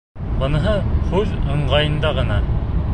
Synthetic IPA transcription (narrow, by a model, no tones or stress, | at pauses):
bɤ̆nɤ̆ɦɤχʉðɤ̆ɴɢɑjɤ̆nd̪ɑʁɤ̆nɑ